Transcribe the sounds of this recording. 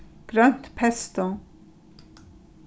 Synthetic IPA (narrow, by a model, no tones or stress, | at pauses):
ɡ̥ɾœnt̪pʰɛst̪ɔ